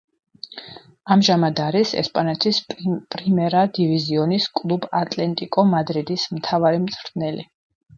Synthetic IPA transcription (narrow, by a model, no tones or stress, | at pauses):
amʒamad̪aɾisɛ̰spʼanɛt̪ʰispʼɾimɛɾad̪iviziɔniskʼlˠubat̪ʼlɛnt̪ʼikʼɔmad̪ɾid̪ismt̪ʰavaɾimt̪sʰʼɾd̪nɛli